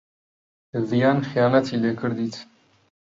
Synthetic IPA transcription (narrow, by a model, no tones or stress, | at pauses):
əvijɑːnxjɑːlat̪ʰilekɨɾd̪it̪ʰ